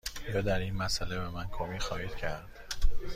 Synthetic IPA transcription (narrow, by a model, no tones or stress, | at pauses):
jɒːd̪æɾiːnmæsælebemænkʰomiːxɒːhiːd̪̥cʰæɾd̪̥